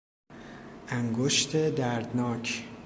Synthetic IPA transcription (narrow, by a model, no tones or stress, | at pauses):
ʔæŋɡoʃt̪ʰed̪æɾd̪nɒːcʰ